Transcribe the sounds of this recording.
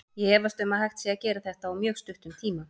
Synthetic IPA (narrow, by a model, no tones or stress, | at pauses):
jɛɛvast̪ʏmaðhajxt̪siacɛːɾaθɛht̪aawmjœːɣst̪ʏht̪ʏmt̪ʰiːma